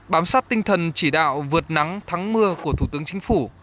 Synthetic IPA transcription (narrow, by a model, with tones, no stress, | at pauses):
ɓaː˨˦msaː˦˥t̚t̪ï˧ŋ̟t̪ʰə˨˩nt͡ɕi˧˩ɗa̰ː˧˨wvɨ˨˩ət̚na˨˦ŋt̪ʰa˨˦ŋmɨ˧əku˧˩ət̪ʰu˧˩t̪ɨ˨˦əŋt͡ɕï˨˦ŋ̟fu˧˩